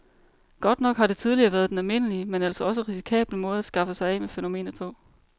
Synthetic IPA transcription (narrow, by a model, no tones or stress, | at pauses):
ɡ̥ɒ̽d̥nɒ̽ɡ̥hɑ̈ɾe̝t͡sʰið̞ˠliɐːʋæːɐð̞ˠd̥enælme̝nəliəmenæl̰sɒɒ̽s̬əʁisi̥kʰɛ̰ːb̥ləmɔ̽ːð̞ˠæsɡ̥ɑ̈fəsɑ̈ɪɛ̰mefeno̝me̝̰ːnð̩ˠpʰɒ̽